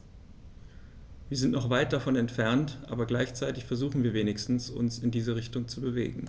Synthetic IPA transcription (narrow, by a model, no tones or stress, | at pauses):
viːɐzɪntnɔχv̥aɪt̚d̥afɔnɛntfɛɐntʔa̰ːbɐɡlaɪçt͡saɪtɪçfɛɐzuːxn̩viːɐveːnɪçstn̩sʊ̰nsɪndiːzəʁ̞ɪçtʊŋt͡subəvḛːɡŋ̩